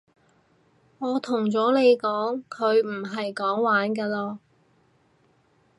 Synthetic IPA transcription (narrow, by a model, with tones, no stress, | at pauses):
ŋɔː˨˧t̪ʰʊ˨˩ŋt͡sɔː˨˥le˨˧jkɔː˨˥ŋkʰɵ˨˧ɥm̩˨˩ɦɐ˨jkɔː˨˥ŋwaː˨˥nkaː˧lɔː˧